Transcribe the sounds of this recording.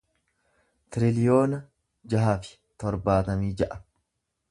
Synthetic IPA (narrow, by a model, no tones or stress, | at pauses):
t̪ɪɾɪlɪjoːnɐ | d͡ʒɐɦaːfɪ̥ | t̪ɔɾbaːt̪ɐmiːd͡ʒɐʔɐ̥